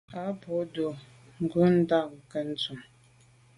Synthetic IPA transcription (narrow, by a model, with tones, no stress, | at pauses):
a˨˦pɔ˨˦do˨ | ŋ̩˨ɡʉ˨˦n̩˦da˦˨ŋ̩˨kɛ˦n̩˦t͡su˨m